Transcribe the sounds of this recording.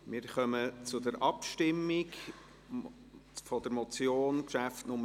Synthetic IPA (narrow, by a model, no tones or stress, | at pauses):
mɪɾχœmət͡sʊdəɾʔɑpʃtɪmːiɡ | fɔd̥̪əɾmɔt͡sjoːnkʃæftnʊmə